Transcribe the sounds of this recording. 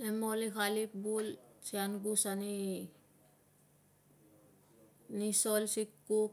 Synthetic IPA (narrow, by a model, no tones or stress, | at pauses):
emolikalip̚bulsianɡusani | nisolsikːu